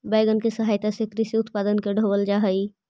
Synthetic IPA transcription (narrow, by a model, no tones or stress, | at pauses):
baɪɡənkesəɦaːjt̪asekɾiseʊt̪paːd̪ənkeɖʱobəld͡ʒaɦəi